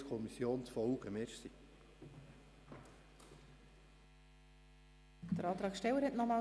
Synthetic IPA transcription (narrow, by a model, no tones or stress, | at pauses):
skʰɔmisːjoːnt͡sfɔwɡəmeɾsi | dd̥əɾɑːt̪ɾɑːkʃtɛwəɾhɛtnɔmɑː